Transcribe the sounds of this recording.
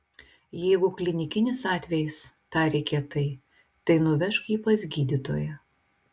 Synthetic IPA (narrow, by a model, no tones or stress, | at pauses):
jɛɪɡʊklʲɪnʲɪkʲɪnʲɪsɑːt̪ʲʋʲɛjɪst̪ɑːɾʲɛkʲɛt̪ɐɪ | t̪ɐɪnʊʋʲɛʃkiːpɐsʲɡʲiːd̪ʲit̪o̰ːjɛ